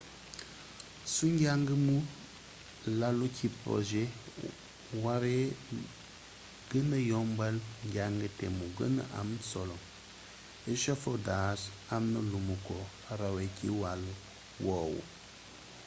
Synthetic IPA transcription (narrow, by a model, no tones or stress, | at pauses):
suɲɡaŋɡəmu | lalukʰipɾo̰ʒe | waɾe | ɡ̥ənəjombalɲɟʲaŋɡətḛmuɡə̰nə̰ʔa̰mnsoloŋ | eʃafodas | amnəlumuko | ɾawekiwalu | wowṵ